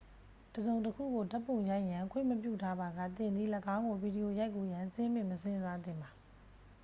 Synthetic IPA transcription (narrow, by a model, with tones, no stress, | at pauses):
təzõ˨ʊ̃ntəkʰṵ˦˨ɡo˨tɛ˦pːõ˦˨ja˦ɪʔjã˨kʰwɪ̰̃˦˨məpjṵ˦˨tʰa˦ba˨ɡä̰˦˨t̪ɪ̃˨nd̪ðḭ˦˨ləɡã˦ʊ̃ŋɡo˨bi˨di˨jo˨ja˦ɪkːu˨jã˨sɪ̃˦mɪ̰̃˦˨məsʰɪ̃˦nza˦d̪ɪ̰̃˨mba˨